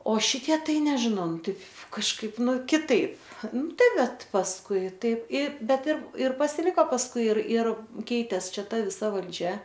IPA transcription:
oː ˈʃʲɪtʲiɛ ˈtɐɪ nʲɛʒʲɪˈnɐʊ ˈtɐɪp kɐʃˈkɐɪp ˈnʊ kʲɪˈtɐɪp ˈnʊ ˈtɐɪ ˈbʲɛt pɐsˈkʊɪ ˈtɐɪp ɪ ˈbʲɛt ɪr ɪr pɐsʲɪˈlʲɪkoː pɐsˈkʊɪ ɪr ɪr ˈkʲɛɪtʲeːs ˈt͡ʃʲɛ ˈtɐ ʋʲɪˈsɐ ʋɐlʲˈd͡ʒʲɛ

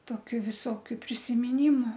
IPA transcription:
ˈtoːkʲʊ ʋʲɪˈsoːkʲʊ pʲrʲɪsʲɪmʲɪˈnʲɪmʊ

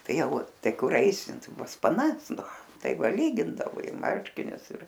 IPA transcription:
ˈtɐɪ ˈjɛʊ ˈtɐɪ ˈkʊr ˈɐɪsʲɪ ˈtɐɪ pɐs pɐˈnɐs ˈnʊ ˈtɐɪ ˈʋɐ ˈlʲiːɡʲɪndɐoː ɪ ˈmɐrʲʃʲkʲɪnʲʊs ɪr

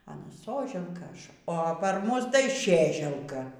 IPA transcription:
ɐˈnɐ ˈsoːʒʲɛlˠkɐ ˈɐʃ oː pɐr ˈmʊs tɐɪ ˈʃʲeːʒʲɛlˠkɐ

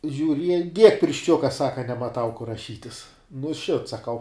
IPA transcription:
ʒʲʊˈrʲiɛj dʲiɛk pʲɪrʲʃʲˈt͡ʃʲʊkɐ ˈsɑːkɐ nʲɛmɐˈtɐʊ kʊr rɐˈʃʲiːtʲɪs nʊ ʃʲɪt sɐˈkɐʊ

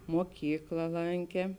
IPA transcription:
moːˈkʲiːklˠɐ ˈlˠɐŋʲkʲeː

